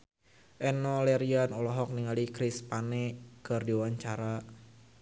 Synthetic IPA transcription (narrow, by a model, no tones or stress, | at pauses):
ʔɛnɔlɛɾianɔlɔɦɔk̚niŋalikɾispanɛkɨrdiwaɲt͡ʃaɾa